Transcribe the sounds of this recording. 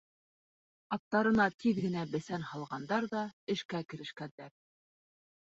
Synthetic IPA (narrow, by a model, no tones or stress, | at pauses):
ɑt̪ːɑɾɤ̆nɑt̪ʰiðɡɘ̆næbɘ̆θænhɑlˠʁɑnd̪ɑɾðɑɘ̆ʃkækɘ̆ɾɘ̆ʃkænd̪æɾ